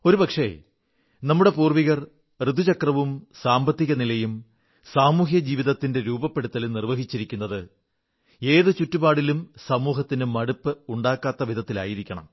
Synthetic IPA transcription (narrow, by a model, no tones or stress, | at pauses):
o̞ɾupɐkʂe̞̰ | nɐmːuɽe̞puːrʋiɣɐr | rɨd̪ʱut͡ɕɐkrɐʋumsaːmbɐt̪ːiɣɐnilɐjum | saːmuːɦjɐd͡ʑiːʋiðɐt̪ːinde̞ɾuːbɐpːe̞ɽut̪ːɐlnirʋɐɦit͡ɕːiɾikʲːunːɐðɨ | e̞ːðɨt͡ɕutːubaːɽilumsɐmuːɦɐt̪ːinɨmɐɽupːɨuɳɖaːkːaːt̪ːɐʋid̪ʱɐt̪ːila̰ːjiɾikʲːɐɳɐ̰m